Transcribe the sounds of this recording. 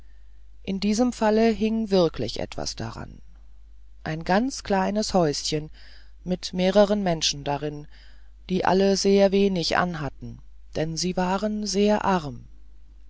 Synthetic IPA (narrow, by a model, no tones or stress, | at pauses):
ʔɪndiːzəmfaləɦɪŋvɪɐkʰlɪ̰çʔɛ̰tv̥a̰sd̥a̰ʁa̰n | ʔaɪnɡant͡skl̥aɪnəshɔʏsçən | mɪtmeːʁəʁ̞ənmɛnʃn̩daʁɪn | d̥iːʔa̰ləzeːɐveːnɪçʔa̰nɦatn̩ | d̥ɛnziːvaːʁənzeːɐʔaʁm